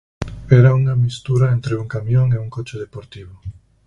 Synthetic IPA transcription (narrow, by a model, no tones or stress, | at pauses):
ɛɾauŋamist̪uɾaent̪ɾeuŋkamjoŋeuŋkot͡ʃeðepoɾt̪iβ̞o